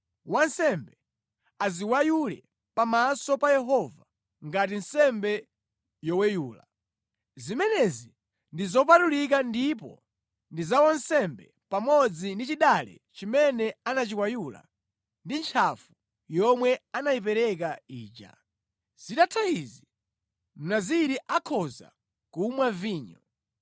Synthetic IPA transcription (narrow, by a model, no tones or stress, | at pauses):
wansɛmbɛ | aziwajulɛ̰ | pamasɔpajɛɦɔva | ŋɡatinsɛmbɛ | jɔwɛjuːla̰ | zimɛnɛzi | ndizɔp̬atulik̬andip̬ɔ̰ | ndizawan̩sɛmbɛ | pamɔd͡zindit͡ʃiɗalɛ̰ | t͡ʃimɛnɛanat͡ʃikwajula̰ | ndint͡ʃʰafu | jɔmwɛanajip̬ɛɾɛk̬aiːt͡ʃa̰ | z̥itatʰaizi | m̩naziɾiʔakʰɔza̰ | kumwaviːɲɔ